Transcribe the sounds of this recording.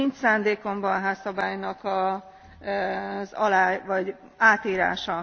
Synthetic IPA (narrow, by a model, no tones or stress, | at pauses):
int̪saːnd̪eːko̞mbɒnɦaːsːɒbaːjnɒkɒ | zɒlaːvɒɟ | aːt̪iːɾa̰ːʃɒ